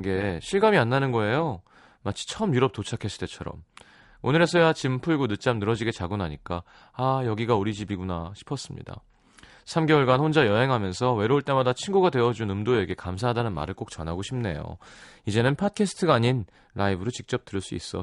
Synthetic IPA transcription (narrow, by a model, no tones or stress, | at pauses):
ɡe̞ɕʰiɭɡamianːanɯnɡʌe̞jo | mat͡ɕʰi̥t͡ɕʰʌʌmjuɾʌp̚t͈ot͡ɕʰakʰe̞s͈ʰɯ̥d͈e̞t͡ɕʰʌɾʌ̰m | onɯɾe̞sʰʌjat͡ɕimpʰuɭɡunɯt͡ɕ͈amnɯɾʌd͡ʑiɡe̞t͡ɕaɡunɦaɲik͈aː | jʌɡiɡaoɾid͡ʑibiɡunaɕʰi̥pʰʌs͈ɯmɲḭda̰ | sʰamɡewʌɭɡanhond͡ʑajʌɦe̞ŋɦamjʌnsʰʌwe̞ɾouɭt͈e̞madat͡ɕʰinɡuɡadwe̞ʌd͡ʑunɯmdoe̞ɡe̞kams̬ʰaɦadanɯnma̰ɾɯɭk͈ok̚t͡ɕʌnɦaɡoɕʰimne̞̰jo̰id͡ʑe̞nɯnpʰat̚kʰe̞sʰɯ̥tʰɯɡaːɲin | ɾaibɯɾot͡ɕik̚t͡ɕ͈ʌp̚t͈ɯɾɭs͈uḭs͈ʌ